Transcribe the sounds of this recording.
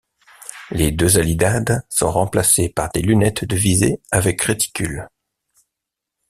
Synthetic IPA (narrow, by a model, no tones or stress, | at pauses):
led̪øzalid̪ad̪sɔ̰̃ʁɑ̃plasepaʁd̪elynɛt̪d̪əvizeavɛkʁet̪i̥kʲyl